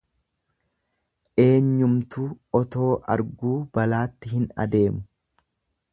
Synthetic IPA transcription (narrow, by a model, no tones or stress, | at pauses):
ʔe̞ːɲːʊmt̪uːɔt̪o̞ːʔɐ̰ɾɡuːb̥ɐlaːt̪ːɪhɪnɐ̰d̪e̞ːmʊ̥